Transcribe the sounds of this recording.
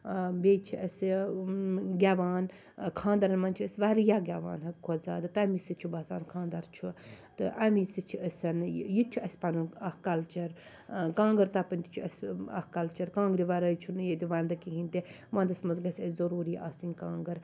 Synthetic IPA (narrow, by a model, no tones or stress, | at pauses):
bet͡ʃʰiʔɐs | ɡʲaːʋaːn | kʰãːnd̪ɐɾɐnmɐnt͡ʃʰuəsʋaːɾjaːɡʲaːʋa̰ːnɦɐkʰoza̰ːd̪ɨt̪amisɨt͡ʃʰubɐza̰ːnkʰãːnd̪ɐɾt͡ʃʰu | t̪ɨʔɐmisɨt͡ʃʰiəsʲɐnjit͡ʃʰuɐsʲpɐnuɐhkɐlt͡ʃɐɾ | kãːŋɡɐɾt̪apɐnʲt̪it͡ʃʰuɐsʲɐ̰hkɐlt͡ʃɐɾkãːŋɡɾiʋaɾɐjt͡ʃʰunɨjet̪ʲiʋaːnd̪ɐkiɦint̪i | mɐ̃nd̪ɐsmɐnzɡɐsʲɐzɐɾuːɾiːʔaːsinʲkãːŋɡɐɾ